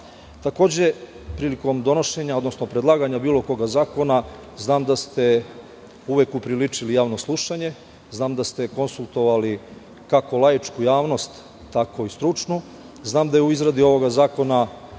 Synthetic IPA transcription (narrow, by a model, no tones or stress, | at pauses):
t̪ako̞ːd͡ʑe̞ | pɾiːliko̞md̪o̞noʃe̞ɲao̞d̪no̞sno̞pɾe̞d̪lˠaːɡaɲabiːlˠo̞ko̞ɡazaːko̞na | znaːmd̪ast̪e̞ | uʋekupɾilit͡ʂilijaːʋno̞slˠuʃaɲe̞ | znaːmd̪ast̪e̞ko̞nsulˠt̪o̞ʋali | kako̞lˠajit͡ʃkujaːʋno̞st̪ː | ako̞ist̪ɾut͡ʂnu | znaːmd̪ajeuizɾad̪io̞ʋo̞ɡazaːko̞na